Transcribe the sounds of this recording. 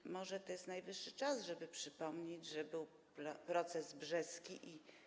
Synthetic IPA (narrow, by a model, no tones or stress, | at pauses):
mɔʐɛt̪ɔjɛst̪najvɘʂːɘt͡ʂasʐɛbɘpʂɘpɔmɲed͡ʑʐɛbɘw | ppɾɔt̪sɛzbʐɛskʲiʔi